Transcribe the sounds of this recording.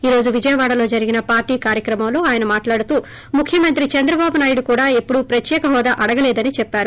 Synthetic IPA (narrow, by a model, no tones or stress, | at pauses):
iːɾo̞ːd͡ʒuʋid͡ʒɐjɐʋaːɽɐlo̞ːd͡ʒɐɾiɡinɐpaːɾʈiːkaːɾjɐkɾɐmɐmlo̞ːaːjɐnɐmaːʈlaːɽut̪uː | mukʰjɐmɐnt̪ɾit͡ʃɐnd̪ɾɐbaːbunaːjuɽukuːɽaːepːuɽupɾɐt̪jɛːkɐɦɔːd̪aʔɐɽɐɡɐlɛːd̪ɐnit͡ʃɛpːaːɾu